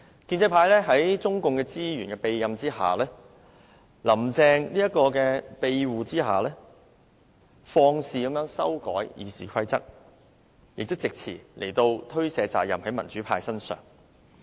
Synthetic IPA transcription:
kiː˧nt͡sɐ˧jpʰaː˧jlɛː˥ɦɐ˨˥jt͡sʊ˥ŋkʊ˨˧ŋkɛː˧t͡siː˥jyː˨˩nkɛː˧pe˧jjɐ˨mt͡siː˥ɦa̰ː˨lɛː˥ | lɐ˨˩mt͡sɛː˧ŋniː˥jɐ˥t̚kːɔː˧kɛː˧pe˧jwuː˨t͡siː˥ɦa̰ː˨˩lɛː˥ | fɔː˧ŋsiː˨kɐ˨˥mjœː˨˥ŋsɐ˥wkɔ̰ː˨˥jjḭː˨˧siː˨kʰɐ˥jt͡sɐ̰˥k̚ | jɪ˨k̚t̪wt͡sɪ˨k̚t͡sʰḭː˨˩lʔe˨˩jt̪o˧wt̪ʰɵ˥ɥsɛː˨˧t͡sa̰ː˨jɐ˨mhɐ˨˥jmɐ˨˩nt͡ʃyː˨˥pʰaː˧jsɐ˥nsœ̰ː˨˩ŋ

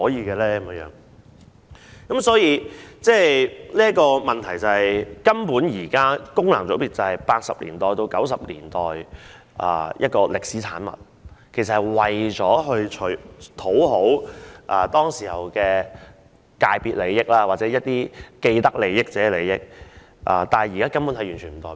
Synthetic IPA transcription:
hɔː˨˥jiː˨˧kɛː˧lɛː˥kɐ˧˦mjɛː˧˥jœ̰ː˨˥ŋ | kɐ˨˦msɔː˨˥jiː˧t͡sɛː˥˩liː˥ɐ˥kɔː˧mɐ˨˩nt̪ʰɐ˨˩jt͡sɐ˨hɐ˨jkɐ˥mpuː˨˥njiː˨˩kaː˥kʊ˥ŋlaː˨˩ŋt͡so˨˥wpiː˨t̚t͡sɐ˨hɐ˨jpaː˧t̚sɐ˨p̚lḭː˨˩nt̪ɔː˨jt̪o˧wkɐ˨˥ws̬ɐ˨p̚lḭː˨˩nt̪ɔː˨j | ʔɐ̰ː˨˩jʔɐ̰˥t̚kɔː˧lɪ˨k̚siː˨˥t͡sʰaː˨˥nmɐ̰˨t̚ | kʰe˨˩jsɐ˨thɐ˨jwɐ˨jt͡sɔː˨˥ɦɵ˧ɥt͡ʃʰɵ˨˩t̪ʰo˨˥wɦo˨˥wʔaː˨t̪ɔː˥ŋsiː˨˩hɐ˨wkɛː˧ | kaː˧jpiː˨t̚le˨˧jːɪ˥k̚laː˧waː˨˩t͡sɛː˨˥jɐ˥t̚t̪iː˥ke˧jt̪ɐ˥k̚le˨˧jːɪ˥k̚t͡sɛː˨˥˧le˨˧jjɪ˥k̚ | ʔa̰ː˧˩t̪aː˨jiː˨kaː˥kɐ˥mpuː˨˥nhɐ˨jyː˨˩nt͡ʃʰy˨˩m̩˨˩t̪ɔː˨

